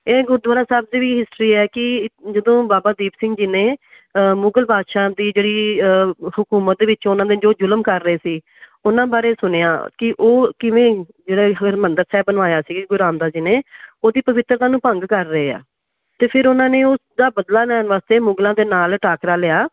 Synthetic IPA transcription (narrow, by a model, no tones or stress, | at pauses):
eːɡʊɾd̪waːɾaːsaːb̚ziːʋiːɦɪsʈɾiːɛːkɪd͡ʒəd̪õːbaːbaːd̪iːbsɪ̃ŋɡd͡ʒɪnẽː | mʊɡəlbaːd̪ʃãːd̪iːd͡ʒeːɽiː | hʊkuːmət̪̚d̪eːʋɪt͡ʃʊnãːd̪eːd͡ʒoːd͡ʒʊləmkəɾːəeːsiː | ʊnãːbaːɾeːsʊneːaːkɪʔoːkɪʋẽː | d͡ʒeːɽaːɦəɡəɾmənd̪əɾsɛːbənʋaːjaːsiːkɡʊɾãːnd̪aːd͡ʒɪnẽːoːd̪iːpəʋɪt̪ːɾt̪ãːnũːpəŋɡkəɾːəeːa̰ː | t̪eːpʰɪɾʊnãːneːʊsd̪aːbəd̪laːnɛːnʋaːst̪eːmʊɡlãːd̪eːnaːlʈaːkɾaːlɪjaː